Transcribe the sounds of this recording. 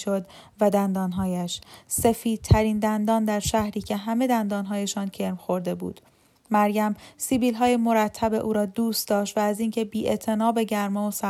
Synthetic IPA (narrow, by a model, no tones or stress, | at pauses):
ʃod̪ | væd̪ænd̪ɒːnɦɒːjæʃse̞fiːd̪̥̚t̪ʰæɾiːnd̪ænd̪ɒːnd̪æɾʃæhɾiːcʰe̞ɦæme̞d̪ænd̪ɒːnɦɒːje̞ʃɒːncʰeɾmxo̞ɾd̪e̞bṵːd̪̥ | mæɾjæmsiːbiːlɦɒːjemo̞ɾæt̪ʰːæbe̞ʔuːɾɒːd̪uːst̪d̪ɒːʃt̪væːziːncʰe̞biːʔet̪ʰe̞nɒːbe̞ɟæɾmɒosæ